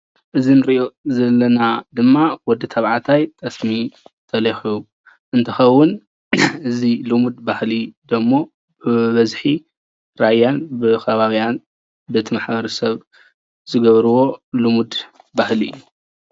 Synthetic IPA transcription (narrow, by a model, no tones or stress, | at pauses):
ʔɨzinɨɾiʔo̞zɐlːɐnad̪ɨmːawɔd̪ɨt̪ʰɐβʕat̪ʰajt̪ʼɐsmit̪ʰʼɐlixiju | ʔɨnt̪ʰɐxɐwːʊn | ʔɨzilumud̪bahlid̪ɐmːo̞ | bɨβɐzħi | ɾajːanbɨkʰɐβaβijan | bɨt̪ʰimaħbɐɾɐsɐβ | zɨɡɐβɾɨwo̞lumud̪ | bahliʔɨjːu